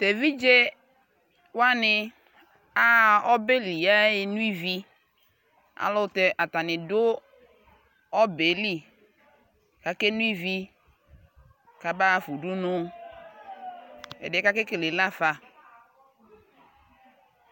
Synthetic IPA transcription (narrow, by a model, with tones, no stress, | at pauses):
te˨vi˦d͡ʒe˦ | wa˦nɪ˦ | a˦ɔ˦be˦li˨a˦ɪ˦nu˦i˦vi˦ | a̰˨lʊ˦te˨ʔa˨ta˨nɪ˨dʊ˦ | ɔ˦be˨˦li˦ | ka˨ke˦nũ˦i˦vi˦ | ka˨ba˦fu˨du˦nʊ˦ | ɛ̰˨dɛ˨˦ka˦ke˦ke˨le˨la˦fa˨